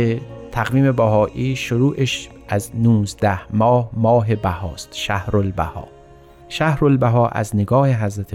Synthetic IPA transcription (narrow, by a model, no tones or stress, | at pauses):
et̪ʰæɣviːmebæɦɒːʔiːʃoɾuːʔeʃʔæznuːzd̪æhmɒːhmɒːɦe̞bæhɒːst̪ʃæhɾolbæ̰hɒ̰ː | ʃæhɾolbæɦɒːʔæ̰zneɡɒːheɦæzɾæt̪ʰe